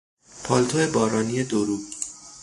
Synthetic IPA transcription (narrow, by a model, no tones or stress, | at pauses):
pʰɒːlt̪ʰoebɒːɾɒːnije̞d̪oɾuːɡ